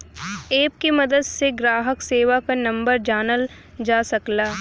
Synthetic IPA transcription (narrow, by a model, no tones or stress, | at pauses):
eːp̚kimɐd̪əd̪seɡɾaːɦəkseːʋakanɐ̃mbəɾd͡ʒaːnəl | d͡ʒaːsɐklaː